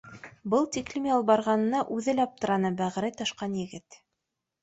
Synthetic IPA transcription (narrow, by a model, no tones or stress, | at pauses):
bɤlˠt̪ʲiklʲimʲjɑlˠbɑɾʁɑnɤ̆nɑʔʉðɘlæɑp̚t̪ɤ̆ɾɑnɤbæʁɾɘjt̪ɤ̆ʃqɑnjɘ̆ɡɘt̪